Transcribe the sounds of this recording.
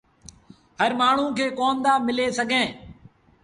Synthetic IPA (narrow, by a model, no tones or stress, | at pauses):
həɾmaːɳ̤ũːkʰeːkoːmd̪aːmɪleːsəɡʱẽː